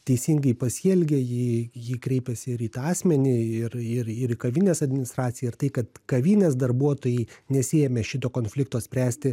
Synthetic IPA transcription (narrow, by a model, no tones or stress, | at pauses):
t̪ʲɛɪsʲiŋɡɐɪpɐsʲiɛlʲɡʲejijiːkɾʲɛɪpʲɛsʲɪɪɾiːt̪ːɑːsʲmʲɛnʲɪɪɾɪɾɪɾɪkɐʋʲɪːnʲeːsɐd̪ʲmʲɪnʲɪst̪ɾɑːt̪sʲɪjɛɪɾt̪ɐɪkɐt̪kɐʋʲiːnʲeːs̬d̪ɐrbuɔt̪oːjɛɪnʲɛsʲeːɛmʲɛʃʲɪt̪oːkoːnʲfʲlʲɪkt̪oːsʲpʲɾʲæːsʲt̪ʲɪ